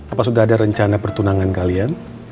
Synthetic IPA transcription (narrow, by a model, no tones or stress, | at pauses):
apasudaɦːdaɾəɲt͡ʃanapərt̪unaŋankalian